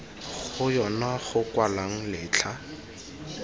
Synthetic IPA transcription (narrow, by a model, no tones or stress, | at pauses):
χʊjɔnaχʊkwalaŋ̩lɪːt͡ɬʰa